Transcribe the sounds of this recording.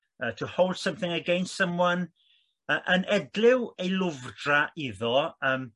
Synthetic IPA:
əːtʰuhowlˠd̥səmθɪŋəɡejnsəmwɔn | əːʔənʔɛdlɪwejlʊvdraʔiðɔəːm

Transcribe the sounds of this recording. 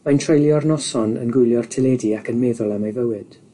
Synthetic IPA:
mantʰrejlˠjɔrnɔsɔnə̰nɡʊjlˠjɔrtʰɪlɛdiakʰənmeːðʊlˠɛmajvəwɪd̥

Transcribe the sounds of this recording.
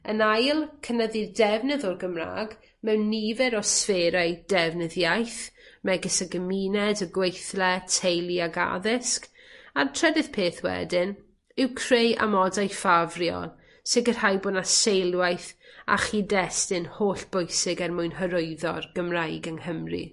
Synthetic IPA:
ənajlˠkʰənəðidɛvnəðɔrɡəmra̰ːɡ | mɛwnːivɛɾɔsveːɾajd̥ɛvnəðjajθmɛɡəsəɡəmiːnɛdəɡwejθlɛtʰejlˠiaɡa̰ðɪsk | artʰrɛdɨðpʰeːθwɛ̰dɪn | ɪwkʰreja̰mɔdajfavrjɔ̰lˠ | sɪɡər̥hajboːdnasejlˠwajθa̰χidɛstɪnhoːɬb̥ʊjsɪɡɛrmʊjnɦəɾʊɨðɔ̰rɡ̥əmrajɡəŋhəmrḭ

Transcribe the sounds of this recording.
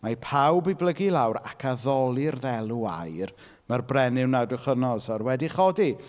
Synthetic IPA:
mapʰawbɪblˠəɡilˠawɾakʰaðɔlˠɪrðɛlˠua̰jr | marbrɛnɪwnadʊχənɔsɔrwɛdiχɔdi

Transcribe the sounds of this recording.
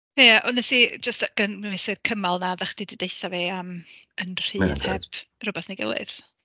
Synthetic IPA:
jaʔɔnɛsid͡ʒəstɡ̥ənɪsɨrkʰəmalˠnaðəχd̥ididejθaveamənr̥ɨːvhɛb̥rʊbɛθnaɡə̰lˠɨ̰ð̥

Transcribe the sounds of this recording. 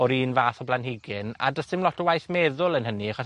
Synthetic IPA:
ɔɾiːnvaːθɔblˠanhɪɡɪna̰dəstɪmlɔtʰɔwajθmɛːðʊlˠənɦəniaχɔs

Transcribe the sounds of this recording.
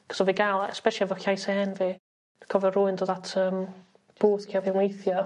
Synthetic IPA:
kʰɔ̥sɔviɡalˠɛ̰spɛʃiavɔxajsɛnvi | kʰɔvɛrʊɪndoːðatʰəːm | b̥oːθkʰiavinwejθjɔ

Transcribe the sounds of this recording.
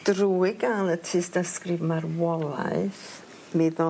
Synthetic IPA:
d̥ruːɪɡalˠətʰɨːsdaskrɨvmarwɔlˠa̰ɨθ | meðɔ

